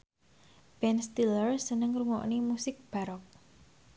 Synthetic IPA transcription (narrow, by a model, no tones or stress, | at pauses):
b̥ɛnst̪ilərsənəŋɾuŋɔ̰ʔnimusɪk̚b̥aɾɔk̚